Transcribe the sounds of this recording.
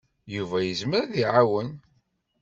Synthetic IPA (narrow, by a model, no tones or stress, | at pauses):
juvæjəzməɾðiʕawən